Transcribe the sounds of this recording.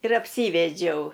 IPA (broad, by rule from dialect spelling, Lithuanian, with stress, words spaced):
ɪr ɐpʲˈsʲiːʋʲɛd͡ʒʲɛʊ